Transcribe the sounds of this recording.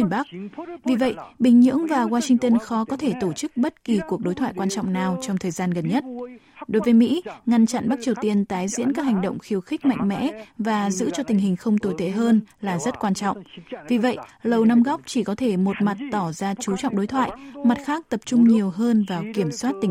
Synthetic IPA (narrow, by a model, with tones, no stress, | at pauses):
ɓa˦˥k̚vi˨˩və̰˧˨jɓï˨˩ŋ̟ɲɨ̰˧˥əŋvaː˨˩waː˧sï˧ŋt̪ə˧nxɔ˨˦kɔ˨˦t̪ʰe˧˩t̪o˧˩t͡ɕɨ˦˥k̚ɓə˦˥t̚ki˨˩ku˨˩ək̚ɗo˨˦jt̪ʰwa̰ː˧˨jkwaː˧nt͡ɕɔ̰˧˨wŋ͡mnaː˨˩wt͡ɕɔ˧wŋ͡mt̪ʰəː˨˩jzaː˧nɣə˨˩nɲə˦˥t̚ | ɗo˨˦jvəː˨˦jmḭ˧˥ŋa˧nt͡ɕa̰˧˨nɓa˦˥k̚t͡ɕi˨˩əwt̪i˧ənt̪aː˨˦jzḭ˧˥ənka˦˥k̚ha˨˩ŋ̟ɗə̰˧˨wŋ͡mxi˨˧əwxi˦˥k̟̚ma̰˧˨jŋ̟mɛ̰˧˥vaː˨˩zɨ̰˧˥t͡ɕɔ˧t̪ï˨˩ŋ̟ɦï˨˩ŋ̟xə˧wŋ͡mt̪o˧˩jt̪ʰe˧˩ɦəː˧nlaː˨˩zə˦˥t̚kwaː˧nt͡ɕɔ̰˧˨wŋ͡mvi˨˩və̰˧˨jlə˨˩wna˧mɣɔ˦˥wk͡p̚t͡ɕi˧˩kɔ˨˦t̪ʰe˧˩mo˨˩t̚ma˨˩t̚t̪ɔ˧˩zaː˧t͡ɕu˨˦t͡ɕɔ̰˧˨wŋ͡mɗo˨˦jt̪ʰwa̰ː˧˨jma˨˩t̚xaː˦˥k̚t̪ə˨˩p̚t͡ɕʊ˧ŋ͡mɲi˨˩əwɦəː˧nvaː˨˩wki˧˩əmswaː˦˥t̚t̪ï˨˩